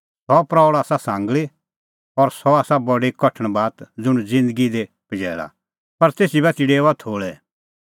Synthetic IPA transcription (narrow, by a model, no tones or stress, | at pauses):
sɔpɾaɭaːsasãːŋɡɭi | ɔɾsɔaːsabɔɖekɔʈʰə̃ɽ̃baːt̪d͡zʊɽ̃ud͡zɪ̃nd̪əɡid̪e | pɐd͡ʒɛ̰ːɭa̰ | pɐɾt̪eːsibɛt̪iɖeːat̪ʰoːɭɛ